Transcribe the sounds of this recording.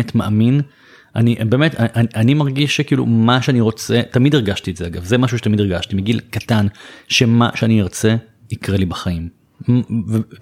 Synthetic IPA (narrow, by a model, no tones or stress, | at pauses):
etmaʔamin | ʔaniʔbe̞ːmetaʔaʔanimaʁɡiʃekiiːlṵmaʃeaniʁo̞t͡se̞tamideʁɡaʃtietzeaɡavzemaʃuʃe̥tamideʁɡaʃtimeɡilkatanʃema̰ʃeaniiʁt͡se̞ | ikʁelibaχaim | ve